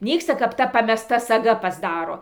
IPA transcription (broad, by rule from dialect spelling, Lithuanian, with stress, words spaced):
ˈnʲiːkstɐ kɐp ˈtɐ pɐmʲɛˈstɐ sɐˈɡɐ pɐzˈdɑːroː